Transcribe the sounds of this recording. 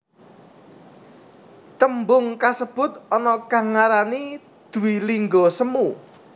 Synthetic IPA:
t̪əmbʊŋkasəb̥ʊ̤t̪̚ɔnɔkaŋaɾani | d̪̥ṳwiliŋɡɔsəmu

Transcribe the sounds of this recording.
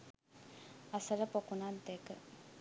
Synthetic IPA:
ɐsələpokunad̪ekə

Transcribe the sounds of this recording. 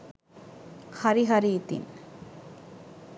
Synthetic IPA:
xɐɾiɦɐɾiːt̪ɪ̰n

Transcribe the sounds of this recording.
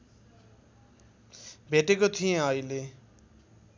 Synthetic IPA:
bʱeʈekot̪ʰijẽʌile

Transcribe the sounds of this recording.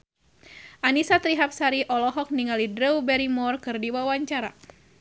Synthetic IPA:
ʔanisat̪ɾiɦap̚saɾiʔɔlɔɦɔk̚niŋalidɾəwbɛɾimɔrkɨrdiwawaɲt͡ʃaɾa̰

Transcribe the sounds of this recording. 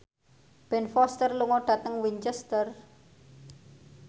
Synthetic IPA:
b̥ɛnfɔst̪ərluŋɔɖ̥ä̤t̪əŋwiɲt͡ʃɛst̪ər

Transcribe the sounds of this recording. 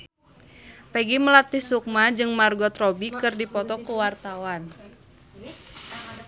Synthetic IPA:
pɛɡiməlat̪isuk̚mad͡ʒɨŋmarɡɔt̪rɔbikɨrdipɔt̪ɔkuwart̪awan

